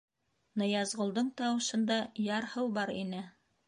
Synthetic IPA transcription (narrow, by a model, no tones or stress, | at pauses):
nɤ̆jɑzʁŏlˠd̪ɤɴt̪ɑwɤ̆ʃɤ̆nd̪ɑjɑɾhɤwbɑɾḭnɘ